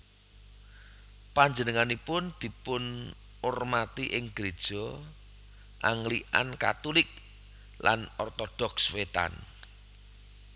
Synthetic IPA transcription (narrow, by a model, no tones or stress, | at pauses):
paɲd͡ʒənəŋanipʊnd̪̥i̤pʊn | ʔʊrmat̪iʔɪŋɡ̥ɾed̥ʒ̥ɔ̤ | ʔaŋliʔa̰nka̰t̪ulɪk̚ | lanɔrt̪ɔd̥ɔkswet̪a̰n